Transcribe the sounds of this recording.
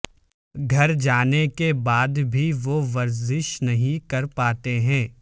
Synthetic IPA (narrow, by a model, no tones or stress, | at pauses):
ɡʱɐɾd͡ʒaːnekebaːd̪bʱiʋoʋɐɾzɪʃnɐɦĩkɐɾpaːt̪eɦɛ̃ː